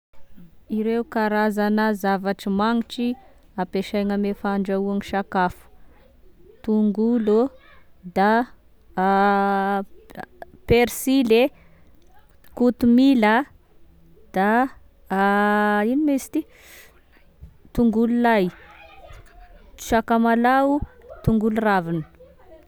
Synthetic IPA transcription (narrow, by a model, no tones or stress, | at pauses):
iɾewukaɾazanəzavaʈ͡ʂimaŋiʈ͡ʂiapeʃajŋəmefaɳɖ͡ʐauaŋiʃakafu̥ | t̪uŋɡulu | d̪a | peɾsile | kut̪umilə | d̪̥a | inimesi̥t̪i | t̪uŋɡululaj | ʃakamalaut̪uŋɡuluravinə̥